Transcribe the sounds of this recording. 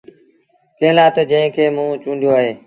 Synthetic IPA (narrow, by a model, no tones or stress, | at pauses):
keɦlaːt̪əd͡ʒə̃ɦɪ̃kʰeːmũːt͡ʃũːnd̪joaːɦeː